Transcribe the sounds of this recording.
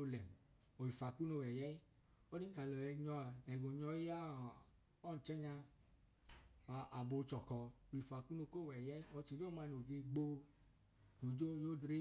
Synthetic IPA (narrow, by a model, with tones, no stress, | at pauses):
o˦lɛ˨m | o˨i˨fa˨ku˦no˧˨wɛ˨jɛ˦ | o˦di˦ka˨lɔ˨ɛ˧ɲɔ˧a˨ɛ˨ɡo˨ɲɔ˧ji˦a˦˨ | ɔ˦˨t͡ʃɛ˦ɲa˧ | a˨ʔa˨bo˧˨˦t͡ʃɔ˨kɔ˧o˨i˨fa˨ku˦no˧˨ko˦˨wɛ˨jɛ˦i˦ɔ˧t͡ʃi˨d͡ʒo˦ma˧no˨ɡe˧ɡ͡bo˧ | o˨d͡ʒo˦jo˦dɾe˦